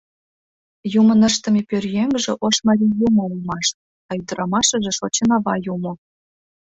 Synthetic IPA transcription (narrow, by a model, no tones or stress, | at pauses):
jumə̆nə̆ʃt̪ə̆mʲepʲørʲjeŋʒĕʔoʃmɑɾʲijumoulˠmɑʃ | ɑjd̪ə̆ɾɑmɑʃɤ̆ʒĕʃot͡ɕenɑβɑjumŏ